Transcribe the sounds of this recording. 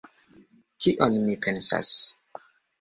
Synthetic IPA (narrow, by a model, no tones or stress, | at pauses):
kiʔonmipʰensa̰s